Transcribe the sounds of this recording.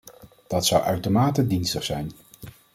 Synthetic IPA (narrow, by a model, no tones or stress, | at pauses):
d̥ɑtsʌwʔœɥtomaːtədinstəχsɛjn